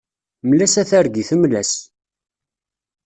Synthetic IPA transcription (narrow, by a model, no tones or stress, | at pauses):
mlæsæθæɾɡiθəmlæs